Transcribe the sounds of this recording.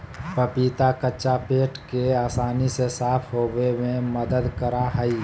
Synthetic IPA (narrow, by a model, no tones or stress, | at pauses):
pɐpiːt̪akəːt͡ʃapeːʈkeaːsaːnisesaːpʰɦoːwemẽmɐd̪əd̪kəɾaɦəi